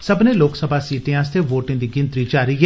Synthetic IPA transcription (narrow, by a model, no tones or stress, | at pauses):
səbneloːksəbʱaːsiːʈẽãːst̪ʰeʋoːʈɪ̃ŋd̪iɡɪ̃nt̪ɾid͡ʒaːɾiɦɛ